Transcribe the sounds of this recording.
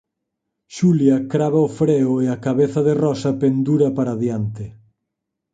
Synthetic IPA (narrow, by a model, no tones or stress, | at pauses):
ʃuljɐkɾaβɐofɾeʊeakaβeθɐðerɔsɐpend̪uɾɐpaɾaðjant̪ɪ